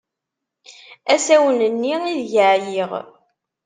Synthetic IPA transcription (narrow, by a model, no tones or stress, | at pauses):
æsæwənənːiiðʝəʕjiʁ